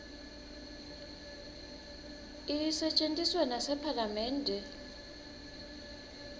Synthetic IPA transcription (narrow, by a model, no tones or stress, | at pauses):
isɛt͡ʃʼentʼiswɛnasɛpʰalamɛːndʱɛ